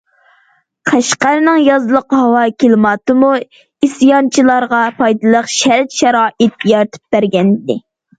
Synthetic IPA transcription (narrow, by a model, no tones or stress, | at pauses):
qʰæʃqæɾnɨŋjɑzɨlˠəqɦɑwɑkʲʰelmɑt̪ɨmu | isjɑnt͡ʃʰilˠɑɾʁɑpʰɑjd̪ɨlˠəqʃæɾt̪ʃɛɾɑːʔɪt̪̚jɑɾt̪ʰɨ̥p̚b̥æɾɡʲɛnd̪ɪ